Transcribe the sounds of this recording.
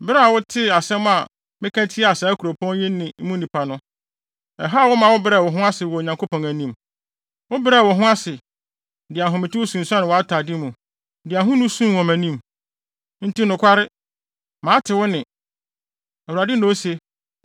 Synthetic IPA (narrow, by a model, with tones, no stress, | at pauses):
bɪ˦ɾa˦a˨wʊ˦tʰɪ˦a˨sɛ̃˦mʊ̃˦a̰˨ | mɪ̃˦kʰæ̃˦tʰi˦˨a˨sa˨˦kʰu˨ɾo˨pʰɔ̃˦n˦jɪ˦nːɪ̃˨˦mũ˦nĩ˨pʰa˨nʊ̃˦ | ɛ˨ɦa˦˨wʊ˦mã˨wʊ˦bɾɛ˦˨wɔ˨ɦʊ̃˦a˦sɪ˨wɔ˨ɲã˨ŋko˦pʰɔ̃˨ŋæ˨nĩ˦m | wʊ˦bɪ˦ɾɛ˦˨wɔ˨ɦʊ̃˦a˦sɪ˨ | dɪ˨a˨ɦʊ̃˨mɪ̃˨tʰɪ˦wʊ˦sũ˨n̩˨sã˦nɪ̃˨wɔ˨a˦tʰa˨dɪ˦mũ˨ | dɪ˨a˨ɦʊ̃˦nʊ̃˦sũ˦wɔ̃˨mæ̃˨nĩ˦m | n̩˦ti˦nʊ̃˨kʷʰa˦ɾɪ˦ | mãː˨˦tʰɪ˨wʊ˦nɪ̃˨ | ɛ˨wu˨ɾa˨dɪ˦nʊ̃˦o˦se˦